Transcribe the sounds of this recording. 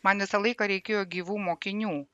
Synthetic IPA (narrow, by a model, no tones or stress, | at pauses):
mɐnʋʲɪsɐlˠɐɪkɐɾʲɛɪkʲeːjoːɡʲiːʋuːmoːkʲɪnʲuː